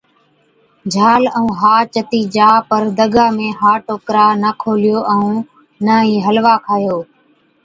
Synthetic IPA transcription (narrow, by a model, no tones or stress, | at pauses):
d͡ʒʱaːləũːɦaːt͡ʃət̪iːd͡ʒaːpəɾd̪əɡaːmẽːɦaːʈoːkɾaːnəkʰoːlɪjoːʔəũː | nəiːɦəlʋaːkʰaːjoː